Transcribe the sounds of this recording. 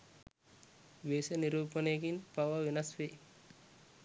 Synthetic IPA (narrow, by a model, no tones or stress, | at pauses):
ʋeːsɐniɾuːpɐneɡinpɐʋɐʋinɐsʋe